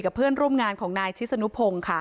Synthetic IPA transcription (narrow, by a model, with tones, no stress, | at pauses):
ka˨˩pʰɯ˥˩ənɾu˥˩əmŋaː˧nkʰɔː˩˦ŋnaː˧jt͡ɕʰi˦˥sa˧nu˦˥pʰo˧ŋkʰa˥˩